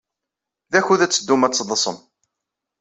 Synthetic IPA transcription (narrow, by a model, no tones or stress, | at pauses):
ðæçuðæt͡sːəd̪ːumæt͡sːðˤəsˤə̰m